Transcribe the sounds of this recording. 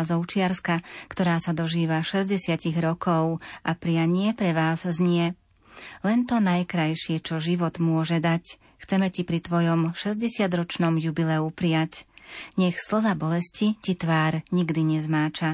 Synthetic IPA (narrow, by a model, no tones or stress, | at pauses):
zɔʊt͡ʃɪaɾskakt̪ɔɾaːsad̪ɔʒiːʋaʃɛzɟɛsɪaciɣɾɔkʰɔʊʔapɾɪaɲɪɛpɾɛʋaːzzɲɪɛ | lɛnt̪ɔnajkɾajʃɪɛt͡ʃɔʒiʋɔd̪mʊɔʒɛd̪ac | xt͡sɛmɛcipɾit̪ʋɔjɔmʃɛzɟɛsɪad̪ɾɔt͡ʃnɔmjubilɛupɾɪacɲɛxsl̩zabɔlɛscicit̪ʋaːɾɲiɡd̪iɲɛzmaːt͡ʃa